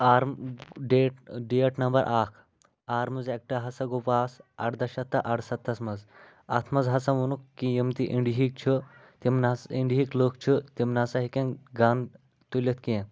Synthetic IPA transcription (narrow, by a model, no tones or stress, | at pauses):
aːɾmɖeːʈɖieʈnɐmbɐɾʔaːkʰ | aːɾmɐzek̚ʈɐɦɐsɐɡopaːsɐ̰ʈd̪ɐʃɐt̪ːɐʔɐʈsɐt̪ʰːɐsmɐz | ɐt̪ʰmɐzɦɐsɐʋunukːijimt̪iʔiɳɖiɦik̚t͡ʃʰɨ | t̪imnasiɳɖiɦikloːkt͡ʃʰɨt̪imnasɐɦikẽnɡaːn | t̪ulʲɐt̪ʰkiẽ